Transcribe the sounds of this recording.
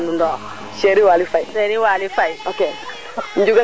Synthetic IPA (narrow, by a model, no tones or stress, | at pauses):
ndundɔ | ʃeɾiwalifaiseɾiwalifaioke | ɲ̩d͡ʒuɡa